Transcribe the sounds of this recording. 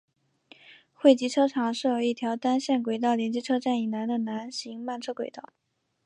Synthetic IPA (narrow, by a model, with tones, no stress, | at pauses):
xwe˥˩ɪt͡ɕi˧˥ʈ͡ʂʰɤ˥ʈ͡ʂʰɑ˨˩˦ŋʂɻ̩˥˩jo˨˩ʊi˥˩t̪ʰjɑ˧˥ʊt̪a˥nɕjɛ˥˩nkwe˨˩ɪt̪ɑ˥˩ʊljɛ˧˥nt͡ɕi˧˥ʈ͡ʂʰɤ˥ʈ͡ʂa˥˩ni˨˩na˧˥nd̪ə˧na˧˥nɕi˧˥ŋma˥˧nʈ͡ʂʰɤ˥kwe˨˩ɪt̪ɑ˥˩ʊ